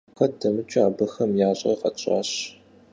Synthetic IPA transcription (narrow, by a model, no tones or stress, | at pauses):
xɐdɐmɨt͡ʃʼaːbɨxɐmjaːɕʼɐ̰rqɐt͡ʃʼɑ̰ːɕ